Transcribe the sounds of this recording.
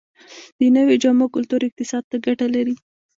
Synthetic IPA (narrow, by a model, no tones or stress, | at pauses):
d̪̥ənəwed͡ʒamakʊlt̪uɾɪq̚t̪ɪsɑd̪̚t̪aɡaʈalaɾi